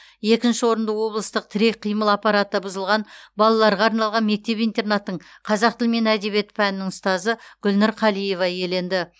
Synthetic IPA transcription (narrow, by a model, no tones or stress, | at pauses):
je̞kʲɪnʃɪwo̞ɾənd̪ɑwo̞blˠəst̪əq̚t̪ʰɪɾe̞k̚ʲqʰijməlˠɑpːɑɾat̪ːɑbʊzəlˠʁɑnbɑlˠɑlˠɑɾʁɑːɾnɑlˠʁɑnme̞k̚t̪e̞pijnt̪e̞rnat̪ːəɴ | qʰɑzɑqt̪ʰɪlme̞næd̪e̞be̞t̪pʰænɪnɪŋʊst̪ɑzəɡ̥ʊlnɑɾqʰɑlˠijevɑje̞le̞nd̪ɪ